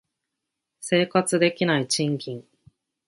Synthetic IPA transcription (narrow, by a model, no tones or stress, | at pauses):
se̞ːkat͡sɨd̪e̞kʲinait͡ɕĩŋkʲĩŋ